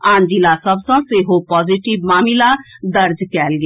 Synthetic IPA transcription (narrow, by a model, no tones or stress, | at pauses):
ãːnd͡ʒilasəbsə̃seɦopɔːd͡ʒiʈibmaːmilad̪əɾd͡ʒkɛːlɡ